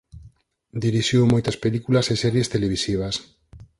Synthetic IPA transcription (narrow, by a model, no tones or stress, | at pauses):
d̪iɾiʃiwmojt̪aspelikulasesɛɾjest̪eleβ̞isiβ̞as